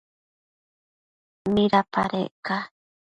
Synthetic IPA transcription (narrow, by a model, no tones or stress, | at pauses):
mĩɾapaɾḛʔka